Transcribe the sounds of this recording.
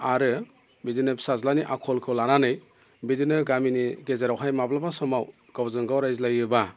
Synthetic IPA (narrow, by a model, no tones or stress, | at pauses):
aɾɯ | bidinɯpsazlaniʔakʰɔlkʰɯlananɯj | bidinɯɡaminiɡezaɾawɦajmablabasɔmaw | ɡ̥awzɯŋɡawɾajzlajɯba